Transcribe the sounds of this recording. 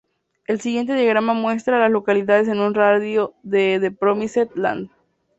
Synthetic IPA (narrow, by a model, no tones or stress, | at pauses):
e̞lsiɣje̞nt̪̬e̞ðjaɣ̞ɾamamwe̞s̬t̪ɾaːlaslo̞kaliðaðe̞s̬e̞nunraðjoðeðepɾomiset̪̚la̰nd̪